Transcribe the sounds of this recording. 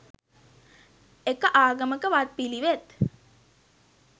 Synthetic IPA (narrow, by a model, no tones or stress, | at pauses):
ekəʔaːɡəməkəʋat̪̚piliʋet̪